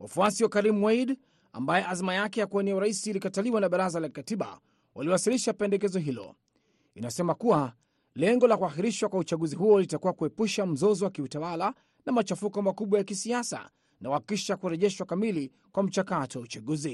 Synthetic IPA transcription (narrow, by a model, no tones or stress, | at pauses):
wa̰fuasiwɔkaɾim̩waid | a̰mbajɛʔazimajakɛjakuaniauɾaisiːlikataliwanaɓaɾazalakikatiɓa̰ | wʔaliwasiliʃapɛndɛkɛzɔɦilɔ̰ | inasɛmakuwa | lɛŋɡɔlakuaxiɾiʃwakwaut͡ʃaɠuziɦuɔlitakuwakuɛpuʃam̩zɔzɔwakiutawala | namat͡ʃafukɔmakuɓwajakisiasa̰ | nawaikiʃakuɾɛʄɛʃwakamili | kwam̩t͡ʃakatɔwaut͡ʃaɠuzi